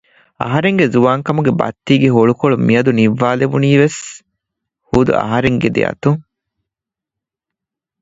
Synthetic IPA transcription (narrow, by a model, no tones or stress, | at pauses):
ɐ̰ɦɐɾeŋɡezuʋaːŋkɐmuɡebɐ̰t̪ːiːɡeɦoɭukoɭumiɐd̪uniʋːaːleʋuniːʋes | huːd̪ṵʔɐ̰ɦɐɾeŋɡed̪ḛɐ̰t̪uŋ